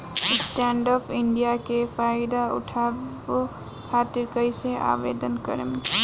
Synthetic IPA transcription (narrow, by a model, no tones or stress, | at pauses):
ɪsʈɛ̃ːɳɖɔːpʰɪ̃ɳɖijakefʰaːɪd̪aʊ̰ʈʰaː | o | kʰaːt̪ɪɾkəjseʔa̰ːbḛːd̪ənkə̰ɾəm